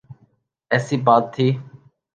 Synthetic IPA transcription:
ɛːsiːbaːt̪ʰːiː

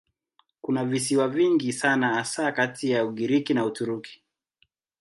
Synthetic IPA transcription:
kunavis̬iwaviŋɡisanaasakatijauɠiɾikinautuɾuki̥

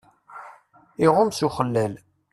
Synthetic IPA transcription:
iʁʊmsuχəlːæl

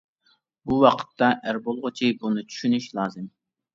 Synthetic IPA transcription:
buwɑqʰə̥t̪ːɑʔæɾbolˠʁʊt͡ʃʰibunɨt͡ʃʰy̥ʃynyʃlˠɑːzɨm

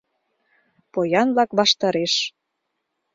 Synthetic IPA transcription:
pojɑnlɑkβɑʃt̪ɑɾeʃ

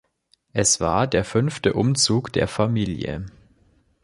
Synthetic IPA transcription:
ʔɛsv̥a̰ːɐdeːɐfʏnftəʔʊmt͡suːkd̥ḛːɐfamiːljə̰

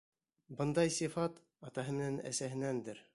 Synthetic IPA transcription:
bɤnd̪ɑjsifɑt̪ | ɑt̪ɑɦɤmɘ̆nɘnæ̰sæɦɘ̆nænd̪ɘɾ

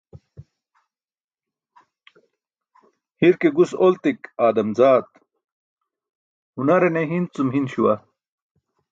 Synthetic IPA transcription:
hiɾkeɡusolt̪ikaːd̪ɐmzaːt̪ | hunɐɾeneɦint͡sumɦinɕuwɐ

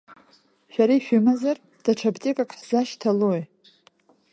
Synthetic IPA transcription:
ʃᶣaɾaiʃᶣʊmazar | d̥aʈ͡ʂʰabtʼikʼakʼħz̥aʃtʰaloj

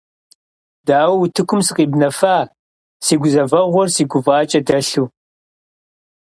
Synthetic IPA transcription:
d̥aːwɐwutʰɨkʷʰʊmsɨqʼiːbnɐfaː | siːɡʷʊzɐvɐʁʷɔrsiːɡʷʊvaːt͡ʃʼɐdɐɬuː

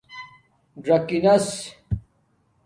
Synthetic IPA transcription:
ɖɾɐkinɐs

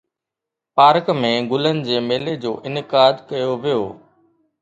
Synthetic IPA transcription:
paːɾkmẽːɡʊlənɪ̆d͡ʑeːmeːled͡ʑo̰ːʔɪnɪkaːd̪kəjoːʋɪjoː

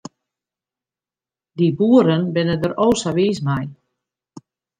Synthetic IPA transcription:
dibuəɾənbɪnədəɾowsaʋiːsmaj

